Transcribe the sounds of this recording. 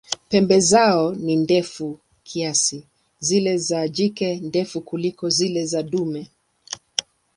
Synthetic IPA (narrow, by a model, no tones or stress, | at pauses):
pɛmbɛzaɔnindɛfu | kʰiasi | zilɛzad͡ʒikɛndɛfukulikɔzilɛzaɗumɛ